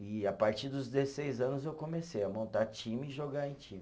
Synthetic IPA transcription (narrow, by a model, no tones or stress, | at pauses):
ɪapaɾt͡ʃiɾd̪ʊzd̪esejzɐ̃nʊzewkõmesejɐmõnt̪aɾt͡ʃĩmɪːʒoɡaẽj̃t͡ʃĩmɪ